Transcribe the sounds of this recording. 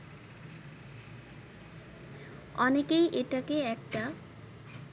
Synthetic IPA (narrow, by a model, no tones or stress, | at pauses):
ɔnekejʔeʈakeɛk̚ʈa